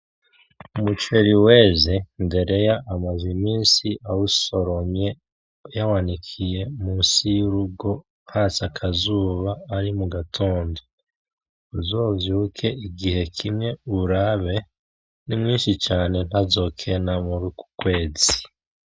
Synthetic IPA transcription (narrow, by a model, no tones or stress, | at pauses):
umut͡ʃe̞ɾiwe̞ːze̞nde̞ɾe̞jaʔːmazimiːnsiʔawuso̞ɾo̞mje̞ | jawanikʰije̞muːnsijuɾuɡo̞ | hasakʰazuːβaːɾimuɡatʰo̞ːndo | uzovjuːkʰe̞iɡihe̞kʰimŋe̞uɾaβe̞ | nimŋiːnʃit͡ʃaːne̞n̥hazo̞ːkʰe̞namuɾuku̥kwe̞ːzi